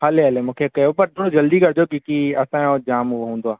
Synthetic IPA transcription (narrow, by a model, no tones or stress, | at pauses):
ɦɐleɦɐlemũːkʰekɐjopɐɾt̪oɽod͡ʑɐld̪ikɐɾd͡ʑokĩkiɐsãod͡ʑaːmɦʊoɦũːn̆d̪oaː